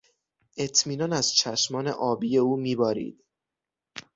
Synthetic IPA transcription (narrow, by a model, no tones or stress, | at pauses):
ʔe̞t̪ʰmiːnɒːnæz̥t͡ʃʰæʃmɒːneʔɒːbiːje̞uːmiːbɒːɾḭːd̪̥